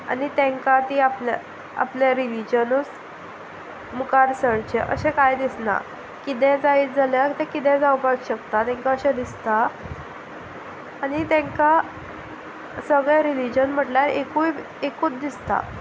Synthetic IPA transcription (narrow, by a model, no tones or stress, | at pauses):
a̰nit̪ẽŋkat̪iapl̰ | a̰plaɾilid͡ʑənus | mukaɾsəɽt͡ɕeʔə̰ɕẽkajd̪isna̰ | kit̪̬ɛ̃d͡zaiːt͡sd͡zaljakt̪ɛ̃kit̪ɛ̃d͡zawpakɕəkt̪at̪ɛ̃ŋkaəɕɛ̃d̪ist̪a | nit̪ɛ̃ŋka | səɡɭeɾilid͡ʑənm̤əʈljaɾekuj | ekuːt͡sd̪ist̪a̰